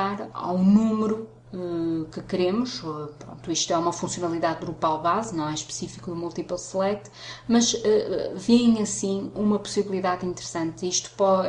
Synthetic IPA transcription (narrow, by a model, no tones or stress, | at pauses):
aɾa̰wnumɨɾu | ɛkɨkɨɾemuʃɛpɾõ̰nt̪uiʃt̪uɛumɐfũsjunɐlˠiðaðɡɾupalˠβaznɐ̃w̃ɛʃpɨ̥sifikuðumulˠt̪ipɐlˠslˠɛt̪ | mɐʒɛɛviɐ̃j̃ɐsĩumɐpu̥siβlˠiðaðĩnt̪ɨɾsɐ̃nt̪iʃt̪u̥pɔ